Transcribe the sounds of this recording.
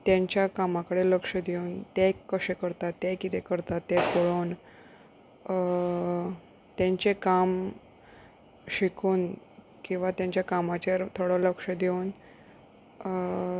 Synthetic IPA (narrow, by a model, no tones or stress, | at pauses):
t̪jãɲt͡ɕjakamakəɽeləkʂəd̪euːnt̪ɛkːəɕekəɾt̪at̪ːɛkit̪ekəɾt̪at̪ːɛkoɭoːn | t̪jãɲt͡ɕekam | ɕikʰuːn | kĩw̃ʋat̪jãɲt͡ɕjakamat͡ɕeɾt̪ʰoɽələkʂəd̪euːn